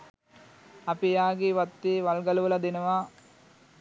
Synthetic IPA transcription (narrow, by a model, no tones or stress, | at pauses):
ɐpijaːɡeʋɐt̪ːeʋɐlɡɐluʋɐlɐd̪enɐʋaː